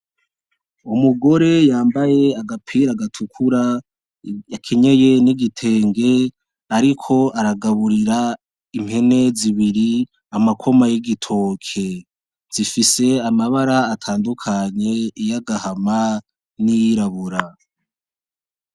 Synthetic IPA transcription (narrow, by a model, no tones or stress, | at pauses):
umuɡo̞ɾe̞jaːmbaje̞aɡapʰiɾaɡatʰukʰuɾa | jakʰe̞ɲe̞je̞niɡitʰe̞ːŋɡe̞ | aɾikʰo̞aɾaɡaβuɾiɾa | imhe̞ne̞ziβiɾi | amakʰo̞majiɡitʰo̞ːkʰe̞ | z̥ifise̞amaβaɾaːtʰaːndukʰaɲe̞ijaɡahama | nijiɾaβuɾa